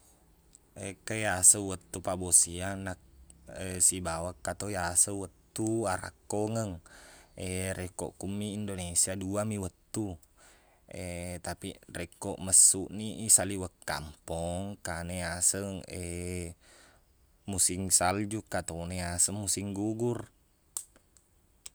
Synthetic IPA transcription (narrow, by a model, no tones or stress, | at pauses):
ekəjasəwət̪ːupabosianak̚esibawakːat̪ojasəwət̪ːuaɾa̰kːoŋəŋeɾekɔ̰ʔkumːiːndonesiaduamiwət̪ːu | et̪apirɛkɔʔməsːuʔniʔisaliwəkːa̰mpɔŋkaneasəŋe | musiŋsald͡ʒukːat̪oneasəŋmusiŋɡuɡur